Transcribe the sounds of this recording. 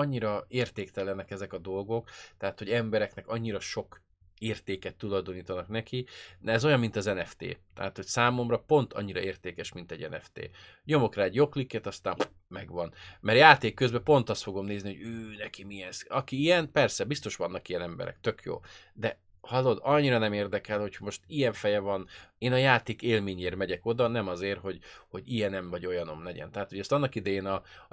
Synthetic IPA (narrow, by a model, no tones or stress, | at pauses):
ɒɲːiɾɒeːrt̪eːkt̪ɛlɛnɛkɛzɛkɒd̪o̞lɡo̞kt̪ɛɦaːt̪ho̞ɟɛmbɛɾɛknɛkɒɲːiɾɒʃo̞k | eːrt̪eːkɛt̪ːulɒjd̪o̞niːt̪ɒnɒknɛkiɛzo̞jɒmːint̪ɒzɛnɛft̪ḛːt̪ɛ̰at̪ho̞csaːmo̞mrɒpo̞nt̪ʰɒ̰ɲːiɾɒ̰eːrt̪eːkɛʃmint̪ɛɟɛnɛ̰ft̪ḛː | ɲo̞mo̞kraːɛɟjo̞klikːɛt̪ɒst̪aːm | mɛɡʋɒnmɛɾjaːt̪eːkːø̞zbɛpo̞n̪t̪ɒst̪fo̞ɡo̞mneːzniho̞ɟøːnɛkimiɛsɒkiijɛnpɛrsɛbist̪o̞ʃʋɒnːɒkijɛnɛmbɛ̰ɾɛ̰k̚t̪ø̞kjo̰ː | d̪ɛ | hɒlo̞d̪ɒɲːiɾɒnɛmeːrd̪ɛkɛlho̞cʰmo̞ʃt̪ijɛɱfɛjɛvɒneːnɒjaːt̪eːkeːlmeːɲeːɾmɛɟɛko̞d̪ɒnɛmɒzeːrɦo̞ɟho̞ɟijɛnɛɱvɒɟo̞jɒno̞̰mlɛɟɛ̰nt̪ɛɦaːt̪hoɟɛst̪ɒnːɒkid̪ɛjeːnɒ